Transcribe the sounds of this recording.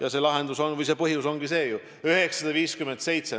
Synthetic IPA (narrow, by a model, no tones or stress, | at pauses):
jɑse̞lɑɦe̞nd̪̥uso̞nvɯjse̞ːpɤɦjuso̞ŋɡise̞ːju | yɦe̞ksɑd̪̥ɑviːskyment̪se̞jt̪se